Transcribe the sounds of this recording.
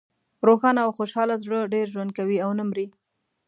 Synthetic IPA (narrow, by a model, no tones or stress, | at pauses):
ɾoxɑnaːwxoʃɑlazɽəɖeɾʒwand̪̚kawiawnamɾi